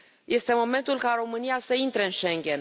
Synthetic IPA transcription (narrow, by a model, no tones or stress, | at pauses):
je̞st̪e̞mo̞me̞nt̪ulkaɾo̞mɨnijasəint̪ɾeɨnʃe̞ŋɡʲe̞n